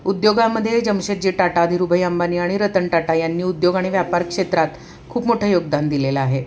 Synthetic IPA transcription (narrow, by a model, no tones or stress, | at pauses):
ud̪joɡaməd̪ʱːjed͡ʑəmɕəɾd͡ʑeʈaʈad̪ʱiɾubʱəjambaniːaɽ̃iɾət̪əɳʈaʈajanːiːud̪joɡaɽ̃iʋjapaɾkʂet̪ɾat̪ | kʰuːpmoʈʰəːjoɡd̪and̪ileləaɦe